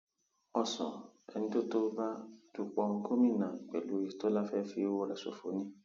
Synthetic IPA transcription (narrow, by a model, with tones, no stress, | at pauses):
ɔ˧sɔ̰̃˨ɛ̰˧nĩ˧˦to˦to˦ba˦d̥u˧k͡pɔ˧ko˦mĩ˦˨nã˨k͡pḛ˨lu˨˦i˧to˦la˦fɛ˦fi˧˦wo˦˨ɾɛ˨so̰˨fo̰˨˦nĩ˦